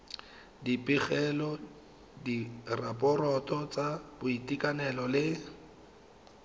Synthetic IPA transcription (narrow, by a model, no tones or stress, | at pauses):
dipʼiχɛlɔ | dirapʼɔrɔtʼɔt͡sʼabʊitikʼanɛlɔlɪ